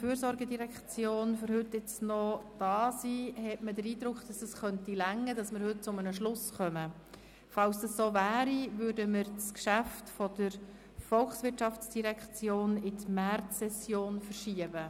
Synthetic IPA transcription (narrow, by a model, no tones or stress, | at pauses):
fyːɾsɔɾɡədiɾɛkt͡sjoːnføɾɦɵt̪ːɪt͡snɔd̥ɑːsihɛtmədəɾiːd̪ɾʊkχd̥ɑsəsχœntilæŋːədɑsməɾhɵt̚t͡sʊmənəʃlʊsχœmə | fɑlsd̥̪ɑssoːvæːɾivøːɾdəmɪɾt͡skʃæftfɔdəɾ | fɔlχsʋɪtʃɑft͡sd̥iɾɛkt͡sjoːnɪtmærtːɛsjoːnfəɾʃiəb̥ə